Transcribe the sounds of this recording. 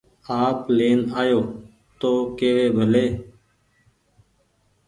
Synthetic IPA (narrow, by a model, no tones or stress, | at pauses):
aːpleːnaːjoː | t̪oːkeːʋeːbʱəleː